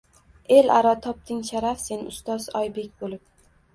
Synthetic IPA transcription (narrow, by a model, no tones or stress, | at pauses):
elaɾɒt̪ʰɒp̚t̪ʰɪŋʃaɾafse̞nʊ̰st̪ɒzɒjbe̞kʲbolɪp̚